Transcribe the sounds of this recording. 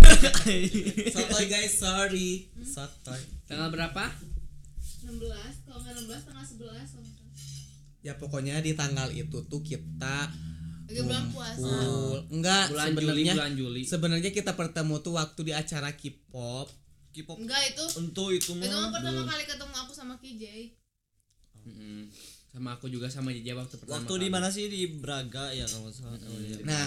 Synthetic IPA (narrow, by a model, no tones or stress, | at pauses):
sat̪ɔjɡajsːɔɾisat̪ɔjt̪əŋalbəɾapa | ənəmbəlasŋanəmbəlast̪əŋalsəbəlas | japokoɲadit̪aŋɡalḭt̪ut̪ukit̪a | ɡumpupulŋɡaʔbulsaəbəd͡ʒnəliɲauland͡ʒulisəbənərɲakit̪apərt̪əmut̪uwak̚t̪udiat͡ʃaɾakipɔp̚kipɔŋɡait̪uənt̪uit̪umaapərb̪əmakalikət̪əmuakusamakid͡ʒej | m̩h̩samaːkud͡ʒuɡasamad͡ʒɛd͡ʒawak̚t̪upərwaakmat̪udimanas̬ɪdibəɾaɡajat̪awɔsaana